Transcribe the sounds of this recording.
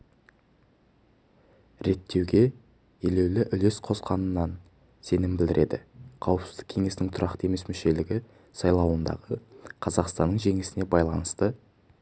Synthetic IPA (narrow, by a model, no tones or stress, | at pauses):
ɾe̞t̪ʰːe̞wɡʲe̞ | jele̞wlɪʔʏle̞sqʰo̞sqɑnənːɑn | se̞nɪmbɪld̪ɪɾe̞d̪ɪ̰qʰɑwəpsɪzd̪ɪkʲʰe̞ŋe̞sɪnɪŋt̪ʰʊɾɑqt̪əe̞me̞smʏʃe̞lɪɡʲɪ | sɑjlˠɑwənd̪ɑ̰ʁəqʰɑzɑqst̪ɑnːəɴʒe̞ŋɪsɪne̞bɑjlˠɑnəst̪ə